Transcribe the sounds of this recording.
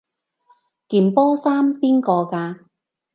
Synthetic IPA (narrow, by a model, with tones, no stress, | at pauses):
kiː˨˩mpɔː˥saː˥mpiː˥nkɔː˧kaː˧